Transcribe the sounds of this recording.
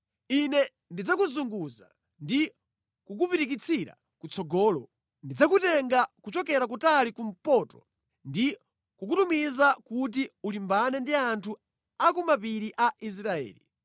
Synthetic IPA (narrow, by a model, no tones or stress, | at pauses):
inɛ | ndid͡zakuzuŋɡuza | ndi | kuk̬upiɾikit͡sʰiɾa̰ | kut͡sʰɔɡɔːlɔ | ndid͡zak̬utɛŋɡakut͡ʃɔkɛɾak̬utalikum̩pɔtɔ̥ | ndi | kuk̬utumizakut̬iulimbanɛndiantʰu | akɔmapiɾiʔais̬ɾaɛ̰ːlḭ